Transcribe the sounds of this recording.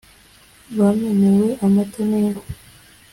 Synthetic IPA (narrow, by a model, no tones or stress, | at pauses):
βamenewe̞ʔamatoneɾo